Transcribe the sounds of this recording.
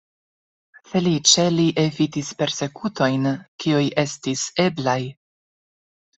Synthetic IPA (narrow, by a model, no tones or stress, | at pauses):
fe̞lit͡ʃe̞liʔefitispe̞ɾse̞kuto̞jnkiujʔe̞stise̞blaj